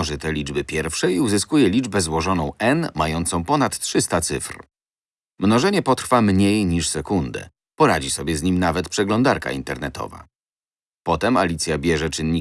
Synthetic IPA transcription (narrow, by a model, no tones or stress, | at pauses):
ʐɘt̪ɛlʲid͡ʐbɘpʲjɛɾfʂɛjiuzɘskujɛlʲid͡ʐbɛzwɔʐɔnɔ̃w̃ʔɛnmajɔnt̪sɔ̃w̃pɔnat̪tʂɘst̪at̪sɘfɾ | mnɔʐɛɲɛpɔt̪ɾfamɲejɲiʂsɛkund̪ɛ̰ | pɔɾad͡ʑisɔbʲjɛzɲimnavɛt̪pʂɛɡlɔnd̪aɾka̰ḭnt̪ɛɾnɛt̪ɔ̰va̰ | pɔt̪ɛmalʲit̪sʲjabʲjɛʐɛt͡ʂɘnːɲi